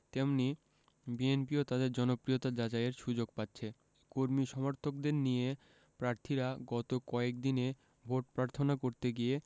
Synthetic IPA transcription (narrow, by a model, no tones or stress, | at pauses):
t̪emni | bienpiot̪ad̪eɾd͡ʑɔnopɾiot̪ad͡ʑad͡ʑaeɾʃud͡ʑoɡ̚patːɕʰe | koɾmiʃɔmoɾt̪ʰok̚d̪eɾnije | pɾaɾt̪ʰiɾaɡɔt̪okɔek̚d̪ine | bʱoʈ̚pɾaɾt̪ʰonakoɾt̪eɡie